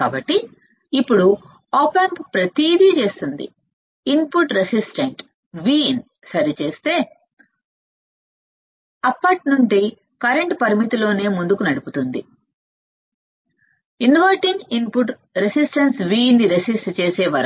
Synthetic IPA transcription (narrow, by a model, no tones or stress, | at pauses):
kaːbɐʈːiː | pːuɽu | oːpenkpɾɐt̪iːd̪it͡ʃe̞ːst̪und̪ḭ | inpuʈɾesisʈɐɳʈ | ʋiːn | sɐɾit͡ʃe̞ːst̪e̞ː | ɐpːɐʈnuɳɖi | kɐɾeɳʈpɐɾimit̪ilo̞ːne̞ːmund̪ukunɐɽuput̪und̪i | inʋɐɾʈiŋɡinpuʈ | ɾesisʈɐnsʋiːnːiɾesisʈt͡ʃe̞ːseːʋɐɾɐ